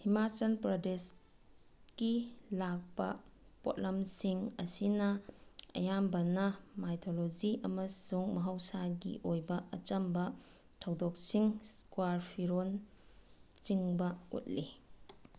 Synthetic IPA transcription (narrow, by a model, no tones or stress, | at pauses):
himasɐnpɾodes | kilak̚pɐ̰ | po̰t̚lɐmsiŋɐsinɐɐ̰jambɐnɐmajtʰolod͡ʒiʔɐmɐsuŋmɐɦɐwsaɡḭʔojbɐɐt͡ʃɐmbɐ | tʰɐwdok̚siŋskwaɾpʰiɾon | t͡ʃiŋbɐṵt̚li